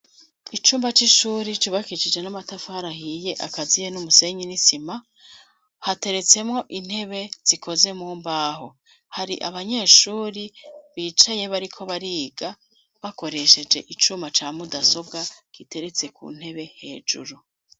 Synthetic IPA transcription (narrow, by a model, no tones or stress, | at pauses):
it͡ʃuːmbat͡ʃiʃuːɾit͡ʃuβakit͡ʃid͡ʒe̞namatafahaɾahije̞ʔa̰kazijenumuse̞ɲinisima | hate̞ɾe̞t͡se̞mŋo̞ʔin̥he̞βe̞z̥ikʰo̞ze̞muːmbaːɦo̞ | haɾiʔaβaɲe̞ːʃuːɾiβiːt͡ʃaje̞βaɾikʰo̞βaɾiːɡa | βako̞ɾe̞ʃe̞d͡ʒe̞̰ʔit͡ʃuːmbat͡ʃaːmudaso̞bɡaɡ̥ite̞ɾe̞t͡se̞kṵːn̥he̞βe̞he̞ːd͡ʒṵɾu